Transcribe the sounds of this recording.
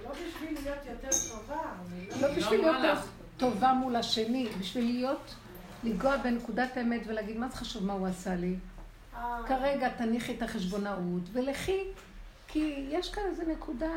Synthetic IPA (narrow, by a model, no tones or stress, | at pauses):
lobiʃvilijot̪jot̪eʁt̪ovalobiʃvvilijot̪ːe | to̞vamulaʃe̞nibiʃvilijo̞t | liɡoabenekudatemetvelaɡid̪mazeχaʃuvmauasali | kaʁeɡataniχetaχe̞ʃ̬bo̞naʔutveleχi | kʰijeʃkanezenekʰuda